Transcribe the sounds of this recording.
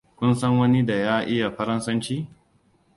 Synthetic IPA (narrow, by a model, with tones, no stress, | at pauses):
kʷʊ˦nsɐ˦ŋwɐ˦ni˦da˨jaː˦ʔɪ˦ja˨ɸɐ˦ɾɐ˦nsɐ˦nt͡ʃiː˦